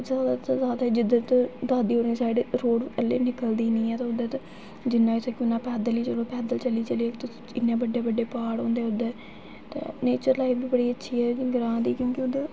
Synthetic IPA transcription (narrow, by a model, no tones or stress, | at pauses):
d͡ʒjaːd̪aːt̪ːzaːd̪aːid͡ʒɪd̪ət̪d̪aːd̪iːoːɾĩsaːɪɖɾoːɽəlːḛːnɪkəld̪iːnĩːɛːt̪ãːʊd̪et̪ | d͡ʒɪnːãːɪsãːkʊnːãːpɛːd̪əliːt͡ʃəloːpɛːd̪əlt͡ʃəliːt͡ʃəliːɛːt̪ | ɪnːãːbəɖjaːbəɖeːpaːɽõːnd̪eːʊd̪ɛː | t̪ḛːneːt͡ʃəɾlaːibiːbəɽiːətːʃʰiːɛːɡɾãːd̪iːkjõːkɪʊd̪eː